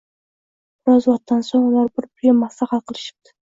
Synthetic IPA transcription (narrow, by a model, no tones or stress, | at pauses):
bɾɒzlˠɑt̪ːansoŋʊlˠɑɾbɪɾpʰʊjɪmasaχɑqʰɨlˠɪʃɪ̥p̚t̪ɪ̥